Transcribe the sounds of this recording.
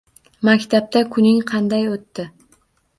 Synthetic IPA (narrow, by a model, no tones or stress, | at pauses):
makʲt̪ʰap̚t̪ʰakʰʊnɪŋqʰɑnd̪ajot̪ːɪ